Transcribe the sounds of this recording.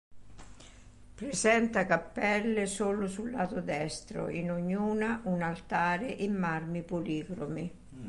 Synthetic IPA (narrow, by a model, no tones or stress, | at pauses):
pɾɪsɛnt̪akapːɛlːesoːlʊsulːaːt̪od̪ɛst̪ɾo̰ʔinoɲːuːnaʔunalt̪aːɾɪʔɪmːarmipoliːɡɾomi